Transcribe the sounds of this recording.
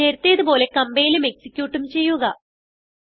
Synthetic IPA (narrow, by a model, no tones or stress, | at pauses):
e̞ːɾt̪ːijɐðubo̞ːle̞kɐmbejilume̞ksikʲːjuːʈːumt͡ɕe̞jːuɣɐ